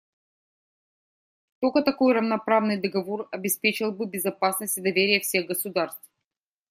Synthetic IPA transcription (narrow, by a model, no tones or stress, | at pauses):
t̪okət̪ɐko̞jrəvnɐpɾavnɨjd̪əɡɐvorɐbʲɪspʲet͡ɕɪlˠbɨbʲɪzɐpasnəsʲtʲɪd̪ɐvʲeɾʲɪjəfsʲe̞ɣɡəsʊd̪arst̪f